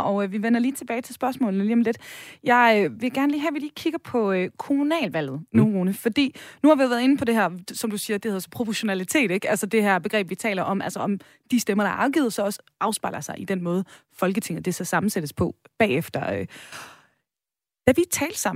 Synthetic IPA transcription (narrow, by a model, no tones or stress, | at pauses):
ʔɒ̽ʊøʋiʋenɐliːt͡sʰe̝b̥ɛːɪt͡sʰe̝lsb̥ɶɐsmɔ̰̽ːln̩əliːɒ̽mle̝d̥jɑ̈ɪøʋe̝ɡ̥æɐnliːɦæʋiliːkʰiɡ̥ɐpʰɒ̽økʰo̝munɛ̰ːlʋæl̰ð̞̩ˠnuʁoːnəfɒ̽d̥ḭːnuhɑ̈ʋiʋæɐðˠe̝nəpʰɒ̽d̥e̝ɦæɐ̰sɒ̽md̥usiːɐd̥e̝heðˠɐsɒ̽pʰʁofeɕo̝nælit͡sʰe̝̰ːɾ̥eɡ̥ælsɒd̥e̝ɦæɐb̥e̝ɡʁɛ̰ːb̥̚ʋit͡sʰɛ̰ːlɐʔɒ̽mʔælsəɒ̽m | d̥isd̥emɐɾ̥ɑ̈ɐʔɑ̈ʊɡ̥ḭːð̩ˠsɒ̽ɒ̽sə̥ɑ̈ʊsb̥ɑ̈ɪlɐsɑ̈ɪʔid̥enmɔ̽ːð̞̩ˠ | fɒ̽lɡ̥ət͡sʰe̝ŋð̩ˠd̥e̝sɡ̥æsɑ̈mn̩sed̥əspʰɒ̽b̥ɛ̰ːefd̥ɐø | d̥æʋi̥t͡sʰɛ̰ːl̥sɑ̈m̰